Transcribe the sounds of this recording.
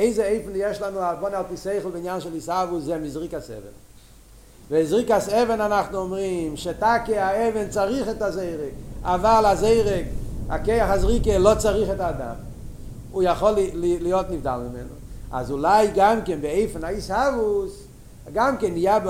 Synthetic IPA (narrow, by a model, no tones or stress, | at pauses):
eɪzeeɪfn̩jɛʃlanuabɔnalˠtiseɪχl̩ˠbɪnjanʃɛlisavuszɛmizʁikasɛ̰vɛ̰n | vezʁikasɛvɛnanaχnuɔmʁimʃɛtakeaɛvɛnt͡saʁiχɛtazeɪʁikavalˠazeɪʁika̰keɪaχazʁikelɔt͡saʁiχɛtaːda̰m | ujaχɔlllijotnivda̰lˠmɪmɛ̰nṵa̰zulajɡamkɛnbɪeɪfn̩aishavus | ɡamkɛnijab